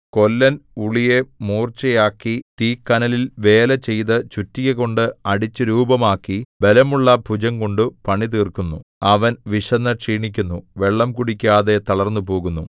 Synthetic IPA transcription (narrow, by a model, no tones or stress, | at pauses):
ko̞lːɐnuɭijemuːrt͡ɕɐjaːkːit̪iːkːɐnɐlilʋe̞ːlɐt͡ɕe̞jt̪ɨt͡ɕutːiɣɐɣo̞ɳɖɨɐɽit͡ɕːɨɾuːbɐmaːkːibe̞lɐmuɭːɐbʱud͡ʑɐŋko̞ɳɖɨpɐɳit̪̬iːrkunːuɐʋɐnʋiʂɐnːɐʈʂiːɳikʲːunːuʋe̞ɭːɐmkuɽikʲːaːðe̞t̪ɐɭɐrnːupo̞ːɣunːu